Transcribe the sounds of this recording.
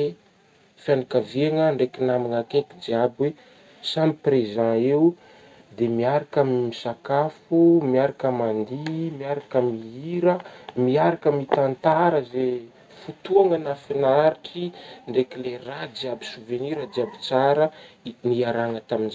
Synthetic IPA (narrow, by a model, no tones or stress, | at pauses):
e | fanakaveŋəɳɖ͡ʐekinamaŋakekid͡ʒiabwe | samiprezãeu | d̪emiaɾakamimisakafumiaɾakamand̪imiaɾakamiiɾəmiaɾakəmit̪ant̪aɾəze | fut̪uaŋənafinaɾikʰiɳɖ͡ʐekilerad͡ziabisuveniɾad̪iabi̥t͡saɾəniaɾaŋət̪aminza